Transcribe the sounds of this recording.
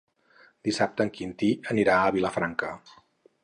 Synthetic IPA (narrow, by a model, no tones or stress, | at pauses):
d̪isap̚t̪əŋkint̪iəniɾaəβiləfɾaŋkə